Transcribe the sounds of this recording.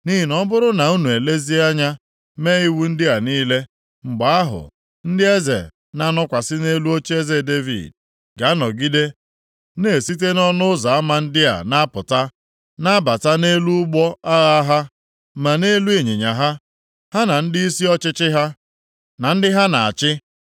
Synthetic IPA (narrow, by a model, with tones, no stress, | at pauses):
ni˦ɦi˨nɔ˦bʊ˦ɾʊ˦na˨u˦nu˨e˨le˦zi˦a˦ɲa˦ | me˦ɣi˦wu˦n̩˦dɪ˦a˨niː˦le˦ | ŋ͡m̩˨ɡ͡ba˨a˦ɦʊ̰˨ | n̩˦dɪ˦e˦zḛ˨ | na˦nʊ˦kʷa˨sɪ˦ne˦lu˦o˦t͡ʃi˦e˦ze˨de˦vḭ˨d̚ | ɡa˨a˦nɔ˨ɡi˦de˦ | ne˨si˦t̬e˦nɔ˦nʊ˦ʊ˦za˨a˦ma˨n̩˦dɪ˦a̰˨na˦a˦pʊ˨ta˦ | na˦a˦ba˨ta˦ne˦lu˦ʊ˦ɡ͡bɔ˦a˦ɣa˦ɦa˦ | ma˨ne˦lu˦e˨ɲe˨ɲa˨ɦa˦ | ha˦na˨n̩˦dɪ˦i˦si˦ɔ˦t͡ʃɪ˦t͡ʃɪ˦ɦa˦ | na˨n̩˦dɪ˦ɦa˦na˨a̰˨t͡ʃɪ˦